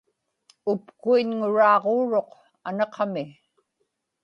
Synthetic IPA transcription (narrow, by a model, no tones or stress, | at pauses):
ʊpkuinŋʊɻɑːʁoːɻo̞q | anɑqʰɑmɪ